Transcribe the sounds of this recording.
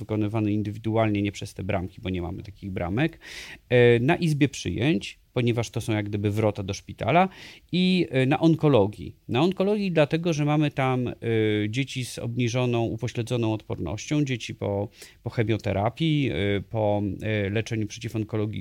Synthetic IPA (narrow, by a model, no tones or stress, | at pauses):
vɘkɔnɘvanɛind̪ɘvʲid̪ualɲɛɲɛpʂɛst̪ɛbɾʔa̰mkʲibɔɲɛma̰mɘt̪akʲiɣbɾa̰mɛk | naʔizbʲjɛpʂɘ̰jɛɲt͡ɕ | pɔɲɛvaʂt̪ɔsɔ̃w̃jaɡd̪ɘbɘvɾɔt̪ad̪ɔʂpʲit̪a̰laina̰ʔɔŋkɔlɔɡʲjḭnaɔŋkɔlɔɡʲjid̪lat̪ɛɡɔʐɛmamɘt̪amd͡ʑet͡ɕiz̥ɔ̰bɲiʐɔnɔ̃w̃upɔɕlɛd̪zɔnɔ̃w̃ɔt̪pɔɾnɔ̰ɕt͡ɕɔ̃w̃d͡ʑet͡ɕipɔpɔxɛmʲjɔt̪ɛɾʔapʲjipɔlɛt͡ʂɛɲupʂɛt͡ɕifɔŋkɔlɔɡʲḭ